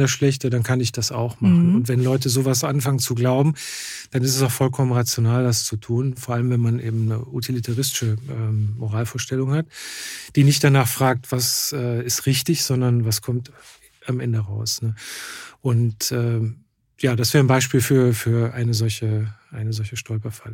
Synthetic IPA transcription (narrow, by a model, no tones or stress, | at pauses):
dasʃlɛçtədankʰanɪçd̥asa̰ʊxmaχn̩ʊntv̥ɛnlɔʏt̬əzoːvasʔanfaŋənt͡suɡlaʊbm̩d̥anɪstɛsaʊxfɔlkʰɔmənʁat͡sjonaːldast͡sutʰuːnfoːɐʔaləmvɛnmanʔeːbm̩nə̰ʔutʰilitʰaʁɪstɪ̥ʃəʔɛːmmoʁaːlfoːɐʃtɛlʊŋhatd̥iːnɪçt̚d̥anaːχfʁ̥aːk̚tv̥asɛːɪstʁɪçtɪçz̥ɔndɐnvaskʰɔmt | amʔɛndəʁaʊsnəʔʊntʔɛː | jaːdasv̥ɛːʁənbaɪʃpiːlfyːɐfyːɐʔaɪnəzɔlçəʔaɪnəzɔlçəʃtɔlpɐfal